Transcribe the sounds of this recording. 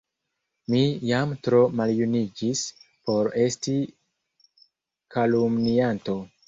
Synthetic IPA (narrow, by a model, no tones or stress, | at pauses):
mijamtɾo̞maljunid͡ʒis | po̞ɾe̞sti | kalumnianto̞